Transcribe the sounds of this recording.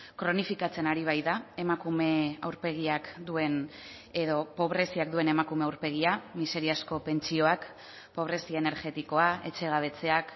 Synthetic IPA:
kɾo̞nifikat͡se̞naɾiβ̞ajðae̞makume̞awɾpe̞ɣ̞iakd̪ue̞n | eðo̞po̞β̞ɾe̞siak̚d̪ue̞ne̞makume̞awɾpe̞ɣ̞iamise̞ɾiasko̞pe̞nt͡sio̞ak | po̞β̞ɾe̞siaene̞ɾɣe̞t̪iko̞ae̞t͡ʃe̞ɣaβ̞e̞t͡se̞ak

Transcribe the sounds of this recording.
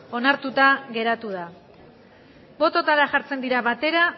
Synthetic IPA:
o̞naɾt̪ut̪aɣe̞ɾat̪uð̞a | bo̞t̪o̞t̪aɾaʝaɾt͡se̞nd̪iɾaβat̪e̞ɾa

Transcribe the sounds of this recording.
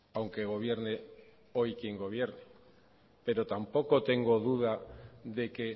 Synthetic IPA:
awŋke̞ɣ̞o̞β̞je̞ɾne | o̞jkjeŋɡo̞β̞je̞ɾne | pe̞ɾo̞t̪ampo̞ko̞t̪e̞ŋɡo̞ðuð̞aðe̞ke̞

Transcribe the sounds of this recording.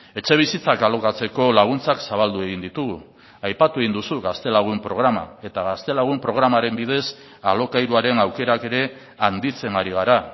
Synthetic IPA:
e̞t͡ʃe̞β̞isit͡sakalo̞kat͡se̞ko̞laɣ̞unt͡saksaβald̪ue̞ɣ̞ind̪it̪uɣu | ajpat̪ue̞ɣind̪usuɣast̪e̞laɣ̞umpɾo̞ɣɾama̰e̞t̪aɣast̪e̞laɣ̞umpɾo̞ɣɾamaɾe̞mbið̞e̞s | alo̞kajɾuaɾe̞nawke̞ɾake̞ɾe̞ | and̪it͡se̞ŋaɾiɣ̞aɾa

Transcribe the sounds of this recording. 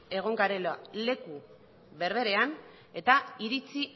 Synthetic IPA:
e̞ɣ̞o̞ŋɡaɾelale̞ku | βe̞ɾβe̞ɾe̞an | e̞t̪aiɾit͡si

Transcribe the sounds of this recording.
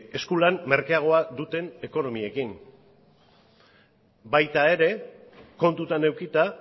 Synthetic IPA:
e̞skulanme̞ɾkeaɣ̞o̞aðut̪e̞ne̞ko̞no̞mie̞kin | bajt̪ae̞ɾe̞ko̞nt̪ut̪ane̞wkit̪a

